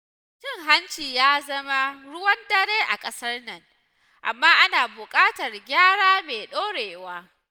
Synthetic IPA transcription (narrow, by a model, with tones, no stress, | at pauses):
t͡ʃɪ˦˨ŋɦa˦nt͡ʃiː˨jaː˦zɐ˦ma˦ɽʊ˦wɐ˦ndɐ˦ɽeː˦ʔa˨kʼɐ˦sɐ˦rnɐ˨ŋ | ʔa̰˨mːaː˦ʔa˦naː˨bʊ˨kʼaː˦tɐ˨rɡʲaː˦ɽaː˦meː˨ɗoː˦ɽeː˨waː˦